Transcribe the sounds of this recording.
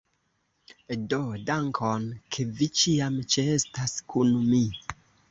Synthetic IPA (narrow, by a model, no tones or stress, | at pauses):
dodaŋkʰonkʰe̞vit͡ʃiamt͡ʃeestaskunmi